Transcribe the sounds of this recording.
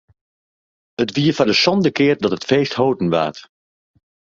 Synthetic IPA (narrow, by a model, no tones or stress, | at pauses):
ətʋiːəfadəsɔndəkɪːrdɑtɦətfeːsthowdən̩ʋa̰ːt